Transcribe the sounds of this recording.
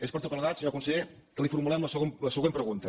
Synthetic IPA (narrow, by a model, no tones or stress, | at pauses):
espəɾt̪ukəlˠðasʒoakunsəʎet̪əlifuɾmulɛmləsəɣomləsəɣwempɾəɣunt̪ə